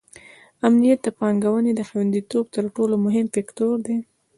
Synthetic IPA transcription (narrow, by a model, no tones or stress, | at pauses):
amnijat̪̚d̪əpɑŋɡawəned̪əxawand̪it̪ob̚t̪əɾʈolomʊɦɪmfekt̪oɾd̪e